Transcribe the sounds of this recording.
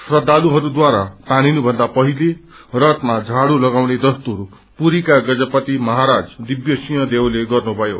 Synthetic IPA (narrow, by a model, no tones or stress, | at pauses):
srʌd̪ːaluɦʌɾud̪waɾat̪añinubʱʌnd̪apʌɦile | rʌt̪mad͡zʱaɽulʌɡawned̪ʌst̪uɦʌɾu | puɾikaɡʌd͡zʌpʌt̪imʌɦaɾad͡zd̪ibjʌsijʌ̃d̪ewleɡʌrnubʱʌjo